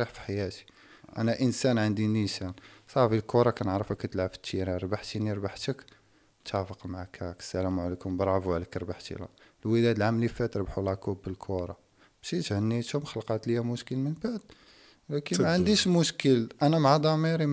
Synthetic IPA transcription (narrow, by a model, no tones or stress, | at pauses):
iħfi̥ħajæt̪i̥ | ʔæ̰næʔənsænʕənd̪inisænsˤɑfilkuɾˤɑkænəʕɾəfəkːæt̪əlʕəft̪ːiɾiɾˤbaħt̪iniɾbaħt̪ək | t̪æfəqmaʕakækə̥sːælæmuʕlikʊmbɾˤɑfuæləkɾˤbaħt̪ḭlæ̰ | lwəlæd̪əlʕamlifæt̪ɾˤbħulɑkubːəlkʰuɾˤɑ | bʃit̪hənːit̪hʊmxəlqɑt̪ləjæmʊʃkəlmənbaʕd̪ | wlækəmæʕənd̪iʃmʊʃkəlʔænæmaʕad̪ˤɑmiɾi